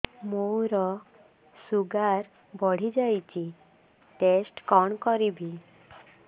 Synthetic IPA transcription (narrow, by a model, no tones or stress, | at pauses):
mowɾɔ | suɡaɾ | bɔɽ̤id͡ʒajt͡ɕi | ʈesʈkɔɳkɔɾibʱi